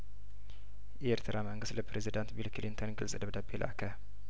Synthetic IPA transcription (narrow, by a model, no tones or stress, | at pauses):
ʔeeɾt̪ʰɨɾaməŋɡɨst̪ləpɾezid̪ant̪bilkʰlint̪ʰonɡɨlsʼd̪əβd̪abelʔa̰kʰə